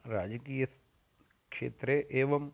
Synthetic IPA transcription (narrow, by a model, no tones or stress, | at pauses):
ɾaːd͡ʒɐkiːjɐs | kʂḛːt̪ɾeʔeːʋɐm